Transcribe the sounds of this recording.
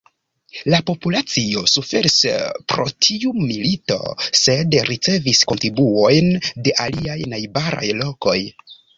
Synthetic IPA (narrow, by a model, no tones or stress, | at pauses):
lapo̞pulat͡sio̞sufe̞ɾispɾo̞̰tʰiumilito̞̰se̞dɾit͡se̞visko̞ntɾibuo̞jnde̞ʔaliajnajbaɾa̰jlo̞ko̞j